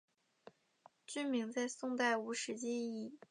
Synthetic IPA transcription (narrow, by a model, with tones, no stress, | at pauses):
t͡ɕy˥mi˧˥ŋt͡sa˥˧ɪsʊ˥˧ŋt̪a˥˩ɪu˧˥ʂɻ̩˧˥t͡ɕi˥i˥˩